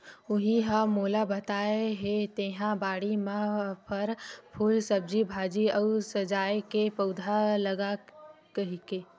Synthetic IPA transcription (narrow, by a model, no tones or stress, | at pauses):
ʊɦiɦamoːlabɐt̪aːeɦet̪eːɦãbaːɽimãpʰɐɾpʰuːlsɐb̚d͡ʒibʱaːd͡ʒiɐʊsɐd͡ʒaːekepɐʊd̪ʱalɐɡakɐɦikeː